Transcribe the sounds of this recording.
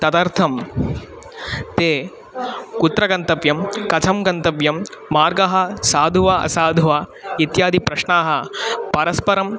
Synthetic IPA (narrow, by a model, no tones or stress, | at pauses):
t̪ɐt̪aːɾt̪ʰɐm | t̪eː | kut̪ɾɐɡɐnt̪ɐʋjɐmkɐt͡ʃʰɐmɡɐnt̪ɐʋjɐmːaːɾɡɐɦɐsaːd̪ʱuʋaɐ̰saːd̪ʱuʋaːit̪jaːd̪ʱipɾɐʃɳaːɦɐ̆pɐɾɐspɐɾɐm